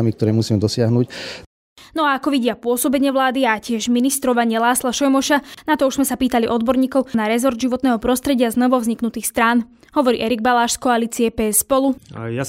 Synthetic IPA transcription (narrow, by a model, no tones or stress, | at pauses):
amik̚t̪ɔɾɛːmusiːmɛd̪ɔsɪaɦnuc | nɔaakɔʋiɟɪapʊɔsɔbɛɲɪɛʋlaːd̪iacɪɛʒminist̪ɾɔʋaɲɪɛlaːslaʃɔjmɔʃanat̪ɔuʒzmɛsapiːt̪aliʔɔd̪̚bɔɾɲiːkɔʊnaɾɛzɔɾd̪ʒiʋɔt̪nɛːɦɔpɾɔst̪ɾɛɟɪaznɔʋɔvzɲiknut̪iːxst̪ɾaːn | ɦɔʋɔɾḭːʔɛɾiɡbalaːʃskɔaliːt͡siɛpɛːɛsspɔluja